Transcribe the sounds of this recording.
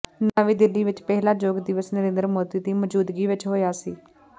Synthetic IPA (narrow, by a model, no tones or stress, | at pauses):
naːʋiːd̪ɪlːiːʋɪt͡ʃpɛːlãːd͡ʒoːɡd̪ɪʋəsnəɾẽːnd̪əɾəmoːd̪iːd̪iːməd͡ʒuːd̪ɡiːʋɪt͡ʃɦoːjaːsiː